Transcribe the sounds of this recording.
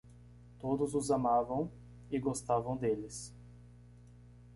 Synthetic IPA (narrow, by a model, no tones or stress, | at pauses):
t̪od̪ʊzʊzamavɐ̃w̃ | ɪɡost̪avɐ̃w̃d̪elɪs